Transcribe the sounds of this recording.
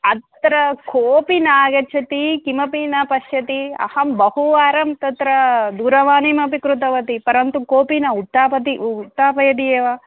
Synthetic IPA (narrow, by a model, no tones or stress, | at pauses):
ɐt̪ɾɐkʰoːpinaːɡɐt͡ʃʰɐt̪ikimɐpinɐpɐʃjɐt̪iɐ̰hɐmbɐhuʋaːɾɐmt̪ɐt̪ɾɐd̪uːɾɐʋaːnimɐpikɾut̪ɐʋɐt̪ipɐɾɐnt̪ukoːpinɐut̪ːaːpɐt̪iut̪ːaːpɐjɐt̪ijeːʋɐ